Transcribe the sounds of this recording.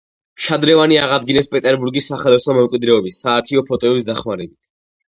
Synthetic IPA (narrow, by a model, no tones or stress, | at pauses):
ʃad̪ɾɛvaniaʁad̪ɡinɛspʼɛt̪ʼɛɾbuɾɡisːaχɛlɛsɔmɛmkʼwid̪ɾɛɔbisːaːɾt̪ʰiɔpʰɔt̪ʼɔɛbis̬d̪aχmaɾɛbit̪ʰ